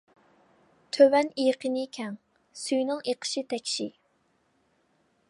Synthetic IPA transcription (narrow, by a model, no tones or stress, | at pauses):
t̪ʰøwɛnijqʰənɨkʲʰɛŋ | sujnɨŋeqʰə̥ʃit̪ʰɛkʲʃi